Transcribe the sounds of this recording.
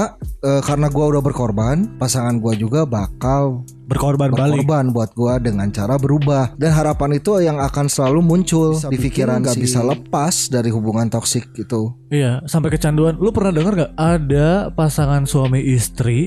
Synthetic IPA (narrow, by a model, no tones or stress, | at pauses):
əkaɾənaɡuaudahbərkɔrbanpasaŋanɡuad͡ʒuɡabakal | bərkorbanbbalɔrbanbuat̪̚ɡuadəŋant͡ʃaɾabəɾubahdanɦaɾapanit̪ujaŋakansəlalumuɲt͡ʃʊldifikiɾanɡabisaləpasdaɾiɦubuŋant̪ɔksɪk̚ɡit̪u | ijasampajkət͡ʃanduanlupərnahdəŋərɡaadapasaŋansuamiʔist̪ɾi